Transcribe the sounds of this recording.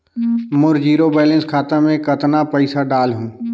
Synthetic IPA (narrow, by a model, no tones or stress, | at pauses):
mʊɾd͡ʒiːɾobɛːlə̃nskʰaːt̪amẽkɐt̪napəɪsaɖaːlɦũː